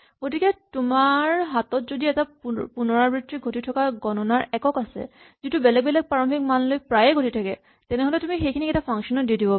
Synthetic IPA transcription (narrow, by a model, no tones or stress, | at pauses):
ɡotikɛtumaɹɦatɔtzodiɛtapunɔɹabɹitɹiɡʱotitʰɔkaɡɔnɔnaɹɛkɔkasɛ̰ | zitubɛlɛɡ̚bɛlɛɡ̚paɹɔmbʰʱik̚manlojpɹajɛɡʱotitʰakɛ | tɛnɛɦolɛtumixejkʰinikɛtapʰaŋksɔnɔt̚didibɔ